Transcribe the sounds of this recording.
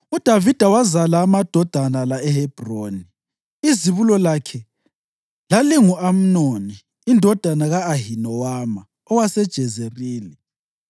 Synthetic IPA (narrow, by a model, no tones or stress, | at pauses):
ud̥ʱavid̥ʱawazalaːmad̥ʱɔd̥ʱanalaɛhɛb̥ʱroːni | iziβulɔlakʰɛ | laliŋuʔam̩noniː | ndʱɔd̥ʱanaɣaːɦinɔwaːma | ɔwasɛd̥ʒ̥ʱɛzeriːli